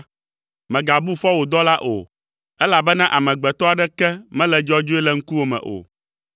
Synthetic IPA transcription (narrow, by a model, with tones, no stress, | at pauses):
mɛ̃˨ɡa˨bu˦fɔ˦wo˨d̪ɔ˦la˦ʔo̰˨ | ɛ˦la˨bɛ˦nã˦ʔa˨mɛ̃˨ɡ͡bɛ˨t̪ɔ˦a˨ɖɛ˦kɛ˦mɛ̃˦lɛ˨d͡ʒɔ˦d͡ʒo˦ɛ˦lɛ˦ŋ̩˦ku˦wo˦mɛ̰̃˨ʔo̰˨